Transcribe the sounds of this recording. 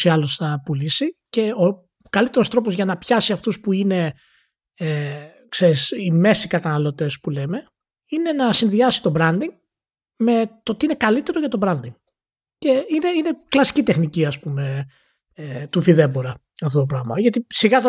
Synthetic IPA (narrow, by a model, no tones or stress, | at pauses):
siɐlosθɐpulisice̞o | kɐlit̪e̞ɾo̞st̪ɾo̞po̞zʝɐnɐpçɐsiɐft̪uspuine̞ | e | kse̞ɾisime̞sikɐt̪ɐnɐlo̞t̪e̞spuleme̞ | ine̞nɐsinðiɐsi̥t̪o̞bɾɐnd̪iŋ | me̞t̪o̞t̪iine̞kɐlit̪eɾo̞ʝɐt̪o̞bɾɐnd̪iŋ | ce̞ine̞ine̞klɐsi̥cit̪e̞xniciɐspume̞ | t̪ufiðe̞boɾɐ | ɐft̪ot̪p̬ɾɐɣmɐ̰ʝɐt̪isiɣɐt̪o